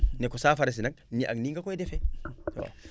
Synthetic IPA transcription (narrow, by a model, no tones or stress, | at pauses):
nekosaːfaɾes̬inak̚niʔa̰niŋɡakoedefewa̰